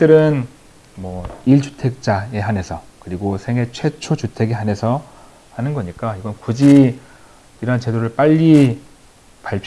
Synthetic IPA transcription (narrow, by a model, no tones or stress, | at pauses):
t͈ɯɾɯn | mwʌiɭt͡ɕu̥tʰe̞k̚t͡ɕ͈ae̞ɦanɦe̞sʰʌkɯɾiɡosʰe̞ŋɦe̞t͡ɕʰwe̞t͡ɕʰot͡ɕutʰe̞ɡeɦane̞sʰʌ | hanɯnɡʌɲik͈aiɡʌnkud͡ʑi | iɾʌnt͡ɕe̞doɾɯɭp͈aʎːi | paɭpʰ